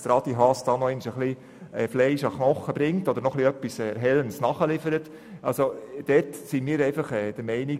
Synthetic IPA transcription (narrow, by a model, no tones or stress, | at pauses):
d̥̪ɾɑd̥̪iɦɑsd̥ɑːnɔɪnʃəχli | ɛflɛɪʃɑχnɔχːəb̥ɾɪŋtɔd̥̪əɾnɔχliœpːisɛɾɦɛlənsnɑχəlɪfəɾət | ʔɑlsod̥ɛtsimiːɾɛɪfɑχɛd̥əɾmɛɪni